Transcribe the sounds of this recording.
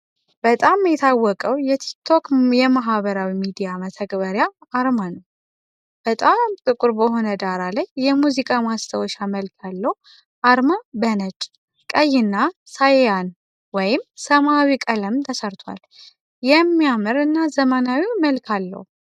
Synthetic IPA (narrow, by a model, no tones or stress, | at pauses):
b̥ət̪ʼamjɛt̪ʰawːɔkʼəwjɛt̪ʰi̥k̚t̪ʰo̞kjɛmaɦβəɾawimid̪ijamət̪ʰəɡʼbəɾjaːɾmanəw | b̥ət̪ʼamt̪ʼɨkʼuɾbəɦo̞nəd̪aɾalajːɛmuzikʼamast̪ʰəwɔʃaməlkʰalːəhu | ʔaɾmabənəd͡ʒʼ | kʼəjːɪnːa | sajjan | wɔjɪmsəmawikʼələmt̪ʰəsəɾt̪ʰwa̰l | jɛmːijamɨɾɨnːazəmənawiməlkʰalːə̰hu